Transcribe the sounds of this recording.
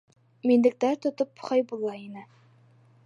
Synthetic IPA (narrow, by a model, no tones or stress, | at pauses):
minlɘ̆k̚t̪æɾt̪ŏt̪opχɑjbulˠɑinɘ